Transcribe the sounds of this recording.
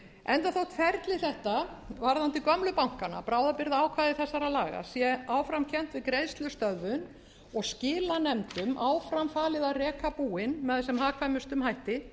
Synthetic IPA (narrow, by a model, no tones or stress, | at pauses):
ɛnt̪aθowt̪ʰvɛɾt̪lɪθɛht̪a | vaɾðant̪ɪkœmlʏpawŋ̥kana̰pɾaːwðapɪɾðaːwkʰvaːðɪθɛsːaɾaðlaːɣa̰sjɛaːwfɾamcʰɛn̥t̪vɪðkɾejðst̪lʏst̪œðvʏn | ɔɣscɪːlanɛmt̪ʏmʔaːwfɾamfaːlɪðarɛːkapuːɪnmɛðasɛmɦaːkʰvajmʏst̪ʏmhajht̪ɪ